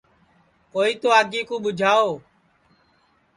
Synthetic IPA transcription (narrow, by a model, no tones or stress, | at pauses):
koːiːt̪oːaːɡiːkõːɓʊd͡ʒʱaːoː